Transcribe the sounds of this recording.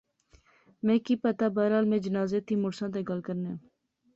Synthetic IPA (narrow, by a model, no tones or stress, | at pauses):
mẽːkiːpət̪aːbaːɾaːlmẽːd͡ʒənaːzeːt̪ʰiːmʊɽsãːt̪̬eːɡəlkəɾneːãː